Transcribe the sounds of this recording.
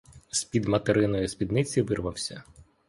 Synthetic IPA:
spʲid̪mɐt̪eɾɪnɔjʊspʲid̪nɪt͡sʲiʋɪrʋɐwsʲɐ

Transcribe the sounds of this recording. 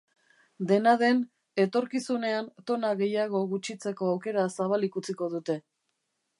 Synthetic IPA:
d̪e̞naðe̞n | e̞t̪o̞ɾkisune̞ant̪o̞naɣe̞jaɣ̞o̞ɣut͡ʃit͡se̞ko̞awke̞ɾasaβ̞alikut͡siko̞ðut̪e̞

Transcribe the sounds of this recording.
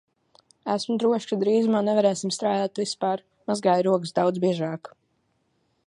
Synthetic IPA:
æsmud̪ɾuɔʃkad̪ɾiːzumaːnɛvaɾɛːsimst̪ɾaːd̪aːt̪vispaːɾ | mazɡaːjɾuɔkɨsd̪awd̪zbiɛʒaːk

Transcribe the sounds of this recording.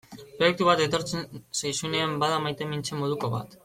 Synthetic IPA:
pɾojek̚t̪uβ̞at̪e̞t̪o̞ɾt͡sensajsune̞ambaðamajt̪e̞mint͡ʃe̞mo̞ð̞uko̞βa̰t̪

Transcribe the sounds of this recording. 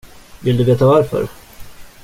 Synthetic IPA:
vɪld̪ɵveːt̪avaɾfœ̰ɾ

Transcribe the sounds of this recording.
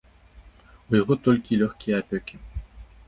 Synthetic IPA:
ujaɣɔt̪ɔlʲkʲilʲɔxʲkʲijɛapʲɔkʲi

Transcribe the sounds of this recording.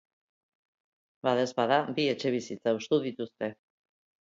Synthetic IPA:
baðezβaðabie̞t͡ʃe̞β̞isit͡saust̪uðit̪ust̪e̞

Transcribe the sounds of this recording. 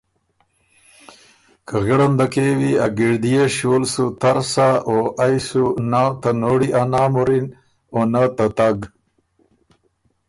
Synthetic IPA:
kəɣeɽɐnd̪akewiaɡiɾd̪ijeʃoːlsut̪aɾsaoʔajsunat̪anoːɽiʔanaːmuɾin | onat̪at̪aɡ

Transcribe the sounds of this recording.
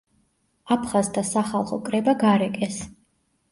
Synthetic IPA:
apʰχazd̪ʰasaχalˠχɔkʼɾɛbaɡaɾɛkʼɛs

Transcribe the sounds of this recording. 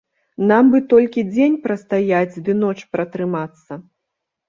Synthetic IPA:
nambɨt̪ɔlʲkʲid͡zʲenʲpɾɐst̪ajad͡zʲd̪ɨnɔt͡ʂpɾɐt̪ɾɨmat̪sːɐ

